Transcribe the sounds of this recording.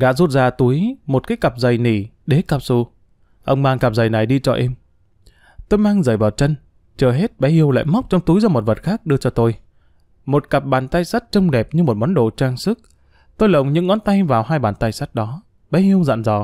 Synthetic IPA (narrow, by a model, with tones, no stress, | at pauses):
ɗa̰ː˧˥zu˦˥t̚zaː˧t̪u˨˦əjmo˨˩t̚kaː˨˦jka˨˩p̚zə˨˩jni˧˩ | ɗe˨˦kaː˨˩p̚su˧˩ | ʔə˧wŋ͡mmaː˧ŋka˨˩p̚za˨˩jna˨˩jɗi˧t͡ɕɔ˧ʔɛ˧m | t̪o˧jmaː˧ŋzəː˧˩jvaː˨˩wt͡ɕə˧n | t͡ɕəː˧˩ɦe˦˥t̚ɓɛ˨˦hi˧əwla̰ː˧˨jma˦˥wk͡p̚t͡ɕɔ˧wŋ͡mt̪u˨˦jzɔ˧mo˨˩t̚və˨˩t̚xaː˦˥k̚ɗɨ˧ət͡ɕɔ˧t̪o˧j | mo˨˩t̚ka˨˩p̚ɓaː˨˩nt̪aː˧jsa˦˥t̚t͡ɕə˧wŋ͡mɗɛ˨˩p̚ɲɨ˧mo˨˩t̚ɓɔ˨˦nɗo̰˧˨t͡ɕaː˧ŋsɨ˦˥k̚ | t̪o˧jlə˨˩wŋ͡mɲɨ̰˧˥ŋːɔ˨˦nt̪a˧jvaː˨˩whaː˧jɓaː˨˩nt̪aː˧jsa˦˥t̚ɗɔ˨˦ | ɓɛ˨˦hi˧əwza̰ː˧˨nzɔ˧˩